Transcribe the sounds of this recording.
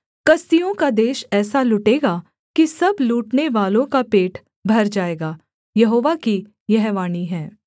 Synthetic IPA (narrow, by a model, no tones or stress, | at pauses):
kɐst̪ijõkad̪eːʃɛːsalʊʈeːɡaː | kisɐbluːʈneʋaːlõkapeːʈʰ | bʱɐɾd͡ʒaːeːɡaː | jɐɦoːʋaki | jɐɦʋaːniɦɛː